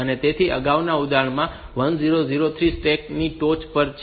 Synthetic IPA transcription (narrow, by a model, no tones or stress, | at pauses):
ənet̪et̪ʰiʔə̰ɡaʋnaud̪aɳmã | ʋənziɾoziɾot̪ʰɾisʈek̚niʈot͡ʃpəɾt͡ʃ